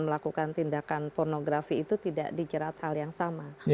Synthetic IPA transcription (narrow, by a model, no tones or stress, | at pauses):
məlakukant̪indakanpornoɡɾafiːt̪ut̪ida̰ʔdid͡ʒəɾat̪haljaŋsama